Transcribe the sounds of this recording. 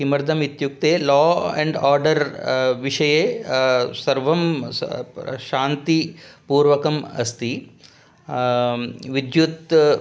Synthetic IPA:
ɦimɐɾd̪ʱɐmit̪juk̚t̪eːlɔːɛɳɖaːɾɖɐɾʋiʂɐjeːsɐɾʋɐm | ʃaːnt̪ipuːɾʋɐkɐmɐst̪i | ʋid̪jut̪

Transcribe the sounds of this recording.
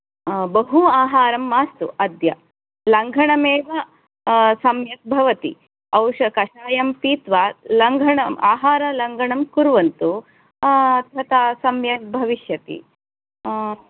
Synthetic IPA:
bɐɦuaːɦaːɾɐmːaːst̪uʔɐd̪jɐ | lɐŋɡʱɐɳɐmeːʋɐ | sɐmjɐt̪̚bʱɐʋɐt̪i | ɐwʂɐkɐʂaːjɐmpiːt̪ʋalɐŋɡʱɐɳɐmaːɦaːɾɐlɐŋɡʱɐɳɐmkuɾʋɐnt̪u | ɐd̪ʱjɐt̪aːsɐmjɐk̚bʱɐʋiʃjɐt̪ḭ

